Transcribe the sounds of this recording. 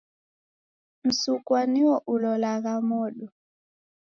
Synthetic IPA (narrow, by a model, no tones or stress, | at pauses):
m̩suk̬ʼwaniwɔʔulɔlak̬amɔːɗɔ